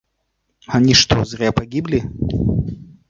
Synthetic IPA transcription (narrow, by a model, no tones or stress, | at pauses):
anʲiʂt̪ɔzɾʲɛpaɡʲiblʲi